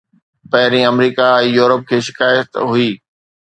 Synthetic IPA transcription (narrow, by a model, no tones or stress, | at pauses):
pɐɦɪɾĩɐmɾiːkaɛ̃ːjuːɾəp̚kʰeːʃɪ̥kaːjət̪ɦʊiː